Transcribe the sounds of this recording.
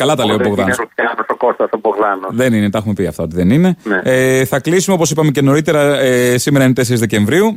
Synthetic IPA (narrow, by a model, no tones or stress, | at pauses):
kɐlɐt̪ɐleoboɣðɐnut̪çɐnosokost̪ɐsoboɣlɐnoðeninet̪ɐexume̞piɐft̪ɐo̞t̪iðenine̞neeθɐklisumeopo̞s̬ipɐme̞ce̞no̞ɾit̪e̞ɾɐesime̞ɾɐint̪e̞se̞ɾizðece̞ɱvɾiu